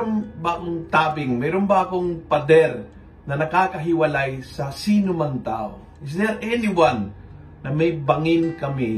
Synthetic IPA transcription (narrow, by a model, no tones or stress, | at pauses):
oŋbɐʔoŋt̪aːbɪŋmɛːɾombɐʔɐkoŋpɐd̪ɛɾ | nɐnɐkaːkɐɦɪwɐlajsɐsiːnʊmɐŋt̪a̰ːʔo̰ | ɪs̬d̪ɛɾʔɛnɪwanː | ɐmɐjbɐŋɪnkɐmɪ